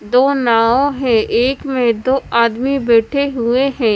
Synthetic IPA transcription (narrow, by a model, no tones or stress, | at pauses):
d̪oːnaːõɦɛ̃ːʔeːkmẽd̪oːaːd̪mibɛːʈʰeɦʊeɦɛ̃ː